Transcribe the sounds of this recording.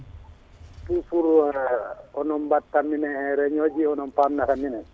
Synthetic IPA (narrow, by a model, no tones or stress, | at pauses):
tusuɾu | ɔnɔnbatːamːinɛhɛɾɛɲod͡ʒiɔnɔnpamnatamːinɛ